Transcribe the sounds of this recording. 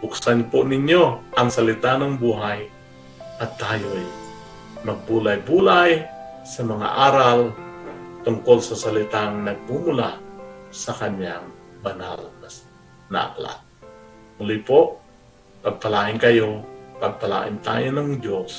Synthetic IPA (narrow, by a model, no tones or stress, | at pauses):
bʊksanponɪɲjoʔɐŋsɐlɪt̪anɐŋbuːɦaj | ʔɐt̪ːaːjoj | mɐɡ̚buːlajbuːlajsɐmɐŋa̰ʔaːɾal | t̪ʊŋkolsɐsɐlɪt̪aŋnɐɡ̚mumʊlasɐkɐɲjaŋbɐna̰lmas | nɐ̰ʔa̰kla̰t̪̚ | mʊlɪpoʔ | pɐɡ̚pɐlaːʔɪnkɐjopɐɡ̚pɐla̰ːʔɪ̰nt̪a̰ːjonɐŋd͡ʒos